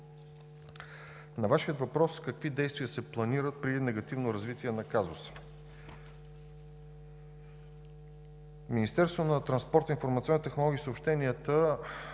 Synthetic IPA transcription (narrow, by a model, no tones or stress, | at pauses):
nɐvaʃiət̪vɐpɾɔskəkvid̪ɛjst̪vʲiəsɛplˠɐniɾət̪̚pɾid̪inɛɡɐt̪ivnoɾɐzvit̪iɛnɐkazʊ̰sə̥ | minist̪ɛɾst̪vonɐt̪ɾɐnspɔɾt̪əinfoɾmɐt̪siɔnit̪ɛxnolˠɔɡʲiːsəopʃt̪ɛniət̪ə